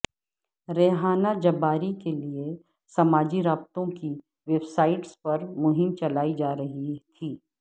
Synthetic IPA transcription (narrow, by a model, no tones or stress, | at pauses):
ɾeːɦaːnad͡ʒɐbaːɾikelie | sɐmaːd͡ʒiɾaːb̚t̪õki | ʋeːbsaːɪʈspɐɾmʊɦɪmt͡ʃɐlaːid͡ʒaːɾɐɦit̪ʰiː